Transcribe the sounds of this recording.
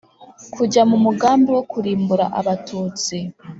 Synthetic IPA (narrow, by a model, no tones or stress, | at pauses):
kʰuɟamumuɡaːmbiwo̞kuɾiːmbuɾa̰ʔaβatʰuːt͡si